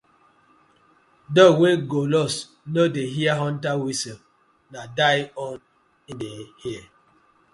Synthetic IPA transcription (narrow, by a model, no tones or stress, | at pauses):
dɔweɡolɔs | nodeɦiaɦɔ̃ntawisɛf | nadaɪɔn | indehia